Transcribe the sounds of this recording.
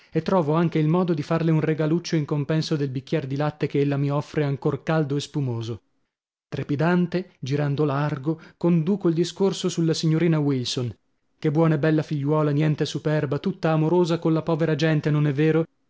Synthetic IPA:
et̪ːɾɔːvoaŋk̟eilmɔːd̪od̪ifarleunreɡalut͡ʃːoiŋkompɛnsod̪elbikːjɛrd̪ilat̪ːekeelːamiɔfːɾeaŋkorkald̪oespumoːzo | t̪ɾepid̪ant̪ed͡ʒiɾand̪olarɡokond̪uːkoild̪iskorsosulːasiɲːoɾiːnawilson | kebːwɔːnaebɛlːafiʎːwɔːlanjɛnt̪esupɛrbat̪ut̪ːaːmoɾoːzakonlapɔːveɾad͡ʒɛnt̪enonɛvːeːɾo

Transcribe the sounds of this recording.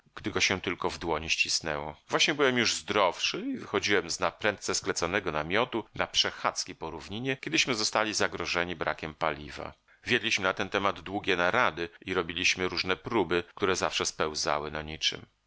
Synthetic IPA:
ɡ̥d̪ɘɡɔɕɛt̪ɘlkɔvd̪wɔɲiɕt͡ɕisnɛ̰wɔ̰vwaɕɲɛbɘwɛmjuʐzd̪ɾɔfʂɘivɘxɔd͡ʑiwɛmznapɾɛnt̪̚sɛsklɛt̪sɔnɛɡɔnamʲjɔt̪una̰pʂɛxat̪skʲipɔɾuvɲiɲɛkʲɛd̪ɘɕmɘzɔst̪alʲizaɡɾɔʐɛɲibɾa̰kʲɛmpalʲiva̰ | vʲjɛd̪lʲiɕmɘnat̪ɛnt̪ɛmad̪d̪wuɡʲɛnaɾad̪ɘiɾɔbʲilʲiɕmɘɾuʐnɛpɾubɘk̚t̪uɾɛzafʂɛspɛw̃za̰wɘnaɲit͡ʂɘ̰m

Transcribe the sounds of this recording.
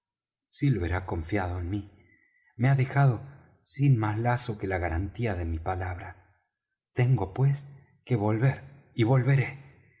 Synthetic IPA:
silβe̞ɾako̞ɱfjaðo̞enmi | meaðe̞xað̞o̞ | sinmaslaso̞kelaɣaɾant̪iaðe̞mipalaβ̞ɾa | t̪e̞ŋɡo̞pwe̞s | ke̞βo̞lβeɾ | iβo̞lβeɾe̞

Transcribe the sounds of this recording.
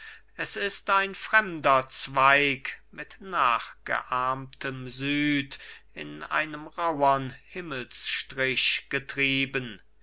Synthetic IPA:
ʔɛsɪstaɪnfʁ̥ɛmdɐt͡sv̥aɪkmɪtnaːχɡ̥ə̰ʔaɐmtʰəmzyːtɪ̰na̰ɪnəmʁaʊɐnhɪməlsʃtʁ̥ɪɕɡ̥ətʁ̥iːbən

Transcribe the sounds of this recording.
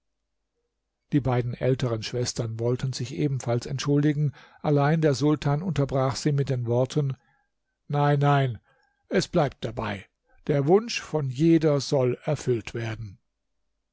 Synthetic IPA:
d̥iːbaɪdn̩ʔɛ̰ltəʁənʃv̥ɛstɐnvɔltʰənzɪçʔeːbm̩falsɛntʃʊldɪɡŋ̩ʔalaɪndeːɐzʊltʰaːnʊntɐbʁaːxz̥iːmɪt̚d̥eːnvɔɐtʰən | naɪnːaɪn | ʔɛsb̥laɪp̚t̚d̥abaɪ | d̥eːɐvʊnʃfɔnjeːdɐzɔlɛɐfʏltv̥eːɐdn̩

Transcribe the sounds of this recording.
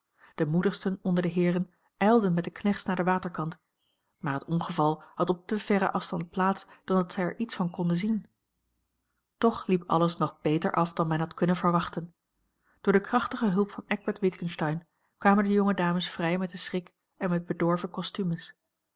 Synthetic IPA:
d̥əmudəχstənɔndəɹdəɦɪːrən | ʔɛjlˠdənmɛt̚dəknɛχtsnaːɹdəʋaːtəɹkɑnt | maːɹɦətɔnχəvɑlˠhɑtɔp̚təv̥ɛɾə̰ʔɑfstɑnt̚plaːtsd̥ɑndɑtsɛjɛɹʔitsfɑnkɔndəzin | tɔχlipɑ̰ləsnɔχb̥ejtə̰ɹʔɑfd̥ɑnmɛnɦɑtkɵnənvəɹʋɑχtən | d̥ʊːɹdəkrɑχtəχəɦɵlˠpfɑnɛɡ̚bəɹtʋɪtkənstɑjn | kʋaːməndəjɔŋədaːməsfrɛjmɛt̚dəsrɪk | ɛnmɛd̚bədɔɹvəkɔstyməs

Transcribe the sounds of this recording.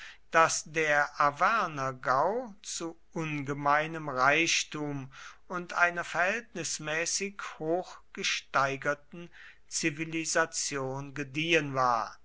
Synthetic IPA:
d̥asd̥eːɐʔavɛɐnɐɡaʊt͡su | ʔʊnɡəmaɪnəmʁaɪʃtuːmʊntʔa̰ɪnɐfɛɐhɛltnɪsmɛːsɪkhoːxɡ̥əʃtaɪɡɐtn̩ | t͡sivilizat͡sjoːnɡədiːənvaːɐ

